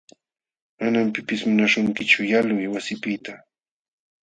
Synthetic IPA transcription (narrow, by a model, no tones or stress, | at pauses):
manampɪpɪsmʊnaʃʊŋkɪt͡ʃʊjalwɪjwasɪpɪt̪a